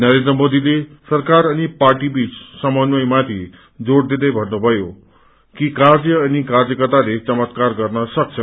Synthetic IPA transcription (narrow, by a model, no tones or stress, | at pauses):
nʌɾend̪rʌmod̪ilesʌrkaɾʌniparʈibit͡ssʌmʌnwʌjmat̪ʰi | d͡zoɽd̪id̪ʌjbʱʌnːubʱʌjo | kikard͡zjʌːnikard͡zjʌkʌt̪alet͡sʌmʌt̪karɡʌrnʌsʌk̚t͡sʰʌ